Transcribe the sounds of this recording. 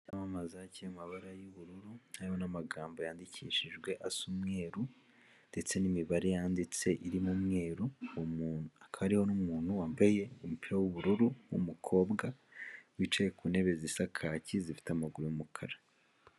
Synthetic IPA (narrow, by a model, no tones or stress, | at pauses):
amamazacijamaβaɾajuβuɾuɾunaihonamaɡaːmbo̞jaːndicʰiːʃiʒɡwe̞ʔasumŋe̞ːɾu | nd̥e̞t͡se̞nimiβaɾejaːndit͡se̞ʔiɾimumŋe̞ːɾumːnakʰaβaɾiho̞numuːnhuwaːmbaje̞umupiɾawuβuɾuɾumwṵmukʰo̞ːbɡawit͡ʃajekune̞βe̞zisakʰacizifi̥tamaɡuɾujumukʰaɾa